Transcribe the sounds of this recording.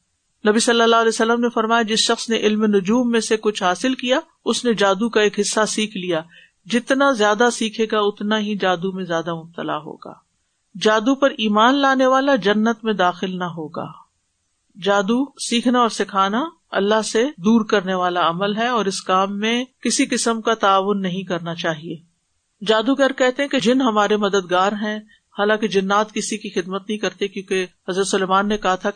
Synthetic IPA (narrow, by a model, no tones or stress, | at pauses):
nɐbisɐlːalːaɦlɛːsɐlːəmnefɐɾmaːjad͡ʒɪsʃɐxsneʔɪlmenʊd͡ʒuːmːẽsekʊt͡ʃʰɦaːsɪlkija | ʊsned͡ʒaːd̪ukaeːkɦɪsːasiːkʰlija | d͡ʒɪt̪nazjaːd̪asiːkʰeːɡaʊt̪naɦid͡ʒaːd̪umẽzjaːd̪amʊb̚t̪əla̰ɦo̰ːɡa̰ː | d͡ʒaːd̪upɐɾiːmaːnlaːneʋaːlad͡ʒɐnːət̪mẽd̪aːxɪlnɐɦoːɡa̰ː | d͡ʒaːd̪usiːkʰnaɔːɾsɪkʰaːna | ɐ̰lːaɦsed̪uːɾkɐɾneʋaːlaɐməlɦɛɔːɾɪskaːmːẽkɪsikɪsəmkat̪aːʋʊnːɐɦĩkɐɾnat͡ʃaːɦieː | d͡ʒaːd̪ukɛːɾkɛɦt̪eɦɛ̃ked͡ʒɪnɦɐmaːɾemɐd̪əd̪̚ɡaːɾɦɛ̃ | haːlãːked͡ʒɐnːaːt̪kɪsikixɪd̪mət̪̚nɐɦĩkɐɾt̪ekjõːkehɐzɾət̪sʊlɛːmaːnːekɐɦat̪ʰa